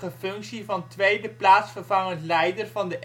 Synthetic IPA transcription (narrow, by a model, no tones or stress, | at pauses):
əfɵŋksivɑntʋejdəplaːtsfərvɑŋəntlɛjdərvɑndəʔ